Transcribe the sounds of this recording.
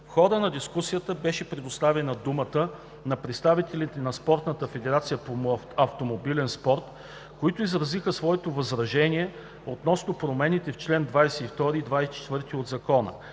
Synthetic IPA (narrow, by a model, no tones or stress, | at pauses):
xɔɾənɐd̪iskusijət̪əbɛʃɛpɾɛd̪ost̪avɛnɐd̪umət̪ə | nɐpɾɛt̪st̪avit̪ɛlit̪ɛnɐspɔɾt̪nət̪əfɛd̪ɛɾat̪sijəpo | ɐft̪omobilɛnspɔɾt̪ | koit̪ʊizɾɐzixəsvɔɛt̪ovɐzɾɐʒɛniɛ | ot̪nɔsnopɾomɛnit̪ɛft͡ʃlɛnd̪vajsɛift̪ɔɾiːd̪vajsɛt͡ʃɛ̥t̪vɤɾt̪iod̪zɐkɔnə̰